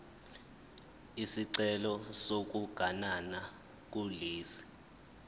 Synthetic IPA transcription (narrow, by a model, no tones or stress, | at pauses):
isiǀɛlɔsok̬uɡ̥ʱanana | k̬uliːsi̥